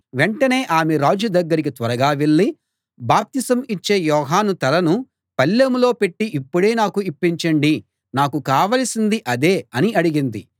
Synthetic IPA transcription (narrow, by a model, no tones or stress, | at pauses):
ʋeɳʈɐne̞ːʔaːmeɾaːd͡ʒud̪ɐɡːɐɾikit̪ʋɐɾɐɡaːʋeɭːi | baːp̚t̪isɐmit͡ʃːe̞ːjɔːɦaːnut̪ɐlɐnu | pɐlːɐmulo̞ːpe̞ʈːiʔipːuɽe̞ːnaːkuipːiɲt͡ʃɐɳɖi | naːkukaːʋɐlɐsind̪iʔɐd̪e̞ːɐniɐɽiɡind̪i